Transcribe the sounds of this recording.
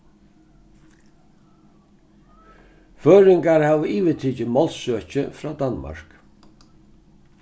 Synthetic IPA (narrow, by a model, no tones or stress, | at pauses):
føːɾɪŋkaɾhaːʋəiːʋɪt̪ʰiːt͡ʃɪmɔlssœːt͡ʃɪfɾaːd̪anma̰ɹ̥k